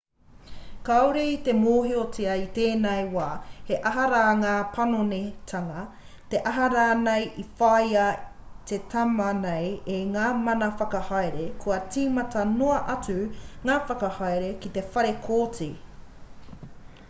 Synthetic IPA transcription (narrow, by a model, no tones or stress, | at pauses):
kawɾiit̪emoːɦiot͡siɐit̪eːnejwaːhe̞ʔɐɦɐɾaːŋaːpʰɐnonetʰɐŋɐ | t̪e̞ʔɐɦɐɾaːnejʔifɐjɐt̪et̪ʰɐmɐnejeŋaːmɐnɐfɐkɐhajɾekʰoɐt͡siːmɐt̪ɐnoɐʔɐt͡sʉŋaːfɐkɐhɑjɾekit̪e̞fɐɾekʰoːt͡siː